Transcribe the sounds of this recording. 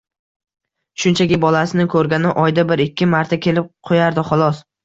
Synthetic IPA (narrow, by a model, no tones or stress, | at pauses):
ʃʊnt͡ʃʰakʲɪbɒlasɪnɪkʰɵɾɡʲanɪʔɒjd̪abɪɾɪkʲʰːɪmaɾt̪ʰakʲʰe̞lɪp̚qʰojaɾd̪ɪχɒlˠɒs